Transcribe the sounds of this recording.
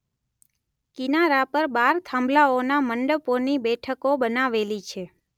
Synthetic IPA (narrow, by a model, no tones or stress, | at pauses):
kinaɾapəɾbaɾt̪ʰãmblaonaməɳɖəponibɛʈʰəkobənaʋelit͡ʃʰe